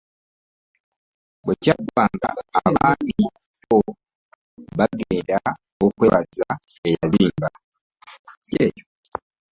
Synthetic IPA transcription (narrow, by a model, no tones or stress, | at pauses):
becaɡwaːŋɡa̰aβaːni | βo | βaɡeːnda | okweβazae̞jaziːmba | ejo